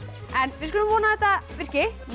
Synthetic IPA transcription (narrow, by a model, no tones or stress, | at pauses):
ɛnvɪðskʏlʏmvɔːnaθɛht̪avɪr̥cɪ